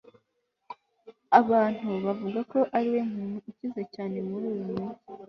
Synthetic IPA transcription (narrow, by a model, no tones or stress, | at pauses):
aβaːn̥huβavuɡako̞ʔaɾiwe̞m̥uːnuucizecaːne̞muɾuːɾumu